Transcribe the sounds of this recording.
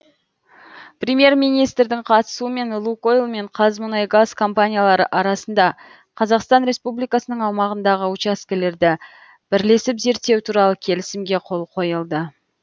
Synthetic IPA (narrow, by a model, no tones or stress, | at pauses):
prʲemje̞rmijnijst̪ɾd̪ɪŋqʰɑt̪ə̥suəme̞nlˠuko̞jlˠme̞ɴqʰɑzmʊnɑjɡazkʰo̞mpanʲijalˠɑɾəʔɑɾɑsənd̪ɑ | qʰɑzɑqst̪ɑnɾe̞spublijkɑsənəɴɑwmɑʁənd̪ɑʁəʊt͡ʃɑskʲɪle̞ɾd̪ɪ | b̥ɪɾle̞sɪpze̞ɾt̪ːe̞wt̪ʰuɾɑlˠəkʲʰe̞lɪsɪmɡʲe̞qʰo̞lˠqʰo̞jəlˠd̪ə